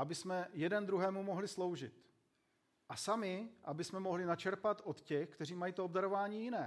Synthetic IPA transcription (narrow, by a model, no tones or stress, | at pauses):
abɪsmɛjɛdɛnd̪ɾuɦɛːmumo̞ɦlɪslo̞wʒɪt̪ | ʔasamɪʔabɪsmɛmo̞ɦlɪnat͡ʃɛɾpat̪ʔo̞t̪cɛxkt̪ɛr̝iːmajiːt̪oobdaɾovaːɲiːjɪnɛː